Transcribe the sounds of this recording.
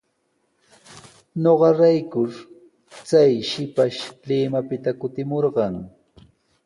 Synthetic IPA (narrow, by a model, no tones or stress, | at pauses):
ɲoɢɑɾajkʊɾ | t͡sajʃɪpaʃlɪmapɪt̪akʊt̪ɪmoɾɢɑŋ